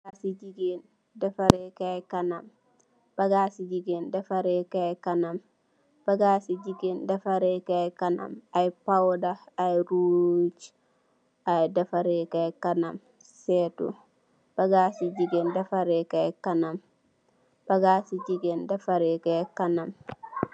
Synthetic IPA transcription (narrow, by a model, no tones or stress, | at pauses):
asid͡ʒiɡen | dafaɾɛkajkanam | b̥aɡasid͡ʒiɡɛndafaɾɛkajkanam | b̥aɡasid͡ʒiɡɛndafaɾɛkajkana̰majpawdaːjɾud͡ʒ | ajdafaɾɛkajkanam | sɛtṵ | b̥aɡasid͡ʒiɡɛndafaɾɛkajkanam | b̥aɡasid͡ʒiɡɛndafaɾɛkajkanam